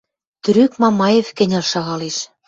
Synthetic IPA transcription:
t̪y̆ɾykmɑmɑjefkɘ̆nʲɑlʃɑɣɑleʃ

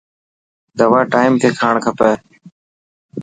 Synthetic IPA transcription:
d̪əʋaːʈaːɪmkʰeːkʰaːɳkʰəpeː

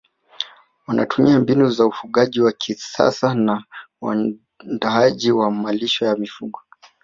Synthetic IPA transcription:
wanʔa̰tumiambinuzaufuɠaʄiwakʰisa̰sana | wa̰ | ndaaʄiwamaliʃɔjamifuɡɔ

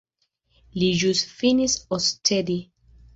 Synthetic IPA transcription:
lid͡ʒusfinisɔstʰɛdi

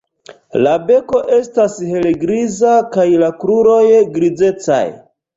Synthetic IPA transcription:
labe̞ko̞ʔe̞stashe̞leɡɾizakajlakɾuɾo̞jɡɾid͡ze̞t͡sa̰j

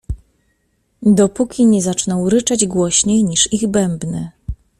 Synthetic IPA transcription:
d̪ɔpukʲiɲɛzat͡ʂnɔwɾɘt͡ʂad͡ʑɡwɔɕɲejɲiʂiɣbɛmbnɘ

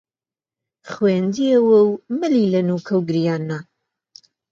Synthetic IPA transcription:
χwend̪iəwɐwmɨlilɐnukʰɐwɡɨɾijaːnːa

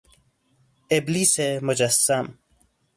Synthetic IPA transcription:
eblisemʊd͡ʑɐsɐm

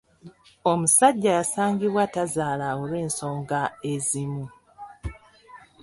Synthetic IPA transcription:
omusaɟːajasaːŋɡiβwatazaːlaolwe̞ːnso̞ːŋɡae̞zimu

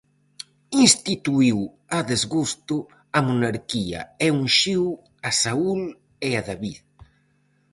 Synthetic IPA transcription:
inst̪it̪uiw | aðezɣust̪u | amunaɾkia̰ɛuŋʃiw | asaul | eaðaβið

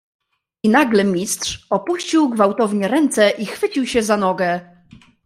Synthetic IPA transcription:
inaɡlɛmʲistʂɔpuɕt͡ɕiwɡvawt̪ɔvɲɛɾɛnt̪sɛʔixfɘt͡ɕiwɕɛzanɔɡɛ

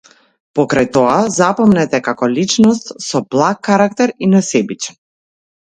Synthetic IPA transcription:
pɔkɾajt̪ɔazapɔmnɛt̪ɛkakɔlit͡ʃnɔst̪sɔblˠak̚ːaɾakt̪ɛɾinasɛbit͡ʃɛ̥

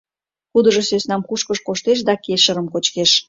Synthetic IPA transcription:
xud̪əʒosøsnɑmkuʃkəʃkoʃt̪eʃ̬d̪ɑkeʃəɾəmkot͡ɕkeʃ

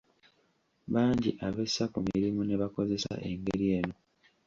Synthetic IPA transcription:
βaːɲɟiʔaβesakumiɾimune̞βako̞ze̞sa̰ʔe̞ŋɡeɾie̞ːno̞

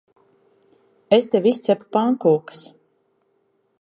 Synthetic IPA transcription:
est̪evist̪sɛpu̥paŋkuːks

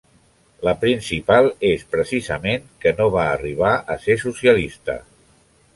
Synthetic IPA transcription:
ləpɾinsipalˠespɾəsizəmeŋkənoβ̞aːriβ̞aʔəsesusiəlist̪ə̰

